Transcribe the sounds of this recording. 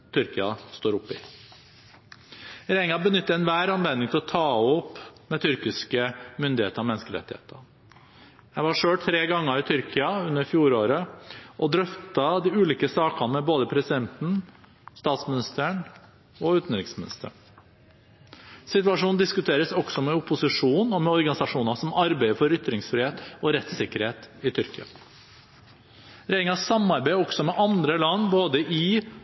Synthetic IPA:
t̪ʰʏɾkɪɑst̪oːɾʊpːɪ | ɾɛɪŋɑbənʏt̪ːəɾɛnʋæːɾɑnʋɛnɪŋt̪ʰɪlɔt̪ʰɑːɔpːmɛt̪ʰʏɾkɪskəmʏnd̪ɪḛːt̪əɾɔmɛnːskəɾɛ̰t̪ːɪhḛːt̪ʰə | jæɪʋɑʂøːɽt̪ʰɾeːɡɑŋːəɾɪt̪ʰʏɾkʰɪɑʉnːəɾfjuːɾoːɾəʔɔd̪ɾœft̪ɑd̪ɪʉːliːkəsɑːkɑnmɛboːd̪əpʰɾɛsɪd̪ɛnt̪n̩ | st̪ɑːt̪smɪnɪst̪əəɳ | ɔʉːt̪n̩ɾɪŋsmɪnɪst̪əɳ | sɪt̪ʉʋɑʂuːnd̪ɪskʉt̪ʰeːɾəsɔɡsɔmɛʊpʊsɪʂuːnɔmɛɔɾɡɑnɪsɑʂuːnɑsɔmɑɾbæɪəfɔɾʏt̪ɾɪŋsfɾɪːheːt̪ɔɾɛt̪sɪkəɾheːt̪ɪt̪ʰʏɾkɪɑ̰ | ɾɛɪɪŋɑsɑmːɑɾbæɪɔɡ̥sɔmɛʔɑnd̪ɾəlɑnːboːd̪əʔɪ

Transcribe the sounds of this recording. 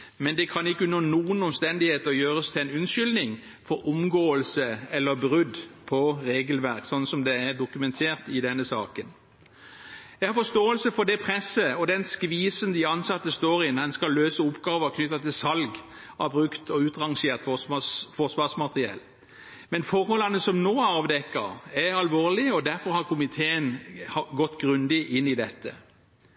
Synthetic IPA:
mɛnd̪ɛkʰɑnɪkːənoːnuːənɔmst̪ɛnd̪ɪheːt̪əɔjøːʁəst̪ʰɪɛnʉnʃʏlnɪŋ | fɔɾʊmɡoːəlsəɛlːəbʁʉd̪pʰɔɾeːɡəlʋæʁksɔnːsɔmd̪ɛæɾd̪ʊkʉmɛnt̪ʰeːʁt̪ɪd̪ɛnːəsɑːkən | jɛɡhɑfɔst̪oːəlsəfɔd̪ɛpʰʁɛsːəɔd̪ɛnskʋiːsənd̪ɪɑnsɑt̪ːəst̪oːɾɪnd̪ɛnskɑlːøːsəʊpɡɑːʋəʁkʰnʏt̪ːɑt̪ɪlsɑlɡ | ɑbʁʉkt̪ʰɔʉːt̪ʁɑŋʂeːʁt̪fɔsɑsfɔsʋɑːʁsmɑt̪ʁɪɛ̰lː | mɛnfɔʁhɔlɑnəsɔmnoːɑːʋd̪ɛkːə̰ʁɛɑlʋoːʁlɪəɔd̪æɾfɔɾhɑʁkʰʊmɪt̪ʰeːənhɑɡɔt̪ːɡʁʉnd̪ɪʔɪnːɪd̪ɛt̪ːə̰

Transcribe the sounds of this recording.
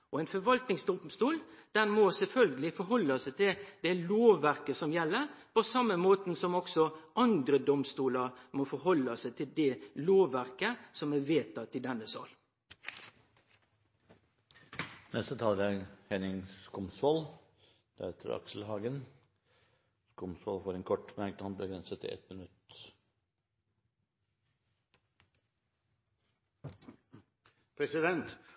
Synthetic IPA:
ʔɔɛɪnfɔɾʋɑlt̪nɪŋsd̪ɔmst̪uːld̪̥ɛnmɔsɛlfœlɡəlɪfɔɾɦɔlːɑsɛɪt̪ʰɪld̪ɛloːʋæɾkəsɔmjɛlːəɾpɔsɑmːəmoːt̪n̩sɔmɔksɔʔɑnd̪ɾəd̪ɔmst̪uːləɾmofɔɾɦɔlːɑsæɪt̪ʰɪld̪ɛloːʋæɾkəsɔmæʋeːt̪ɑt̪ɪd̪ɛnːəsɑ̰l | nʔɛst̪ət̪ʰɑːlɡ̪ɑɡhɛnɪŋskʊmsʋɔl | d̪̥ɛeːt̪ʰə̰ɾɑ̰ksl̩hɑːɡən | skʊmsʋɔlfoːɾɛnkʰɔʈːmæɾk̪ɑn̚bəɡɾɛnsət̪ʰːɪ̰ɛ̰t̪mɪnʉt̪ | pʰɾɛsɪd̪ɛnt̪

